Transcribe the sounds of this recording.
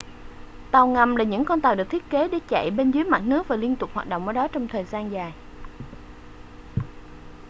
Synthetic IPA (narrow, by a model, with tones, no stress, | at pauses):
t̪a˨˩wŋa˨˩mlaː˨˩ɲɨ̰˧˥ŋkɔ˧nt̪aː˨˩wɗɨ˨˩ək̚t̪ʰət̚ke˨˦ɗe˧˦˥t͡ɕa̰˧˨jɓe˧nzɨː˨˦jma˨˩t̚nɨ˦˥ək̚vaː˨˩li˧ənt̪ʊ˨˩k͡p̚haː˨˩t̚ɗo̰˧˨wŋ͡mʔaː˧˩ɗɔ˨˦t͡ɕɔ˧wŋ͡mt̪ʰəː˨˩jzaː˧nzaː˨˩j